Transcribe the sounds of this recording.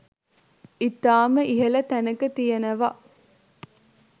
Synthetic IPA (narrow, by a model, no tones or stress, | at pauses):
it̪aːməʔiɦɐlɐt̪ænɐkɐt̪ijɐnɐʋa